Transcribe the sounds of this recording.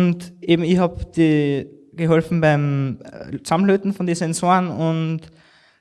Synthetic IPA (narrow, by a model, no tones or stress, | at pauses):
ʊntʔeːbm̩ɪçhaːbd̥iː | ɡ̥əɦɔlfn̩baɪm | t͡samløːtn̩fɔndisɛnzoːnʊnt